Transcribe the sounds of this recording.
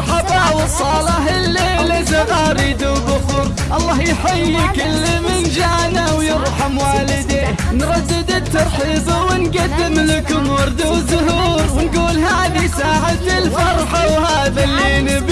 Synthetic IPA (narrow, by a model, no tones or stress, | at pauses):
ħɑbawɪsˤɑːlɪħɪlːelɪzaʔaɾiːd̪ʊbʊqʊɾ | ʔɑlˤːɑːhjħɪjmɪkɪlːɪmɪnʒaːnawjɪɾˤħɑmwaːlɪd̪eːhnɾˤɑd̪ːɪd̪ɪt̪ːɑɾˤħiːzˤwɪnɡad̪ːɪmlɪkʊmwɑɾˤd̪awzʊɦuːɾwɪnɡuːlɦaːðisaːʕat̪ɪlfɑɾˤħɑwhaːðalːeːnɪb